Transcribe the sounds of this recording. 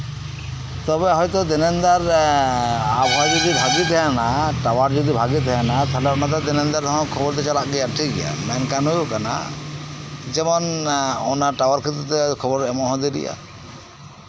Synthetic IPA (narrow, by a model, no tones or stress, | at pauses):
t̪ɔbɛɦɔjt̪ɔd̪ɛnɛnd̪aɾ | abʱɔjd͡ʒɔd̪ibʱaɡit̪ʰɛjanaʈawaɾd͡ʒɔd̪ibʱaɡit̪ʰɛjanat̪ʰalɔɾnat̪ɔd̪ɛnɛnd̪aɾd̪ɔɦɔ̃kʰɔbɔɾd̪ɛt͡ʃalaʔɡɛjaʈʰikɡɛja̰mɛnkanujukana̰ | d͡ʒɛmɔnɔnaʈawaɾkʰit̪ɾut̪ɛkʰɔbɔɾɛmɔ̃ɦɔ̃d̪iɾḭja̰